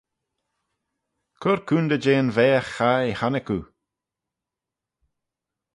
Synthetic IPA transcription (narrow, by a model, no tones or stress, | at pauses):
kʰʊɾkʰuːnd̪əd͡ʒeːnvɛːəxːaehanɪkṵ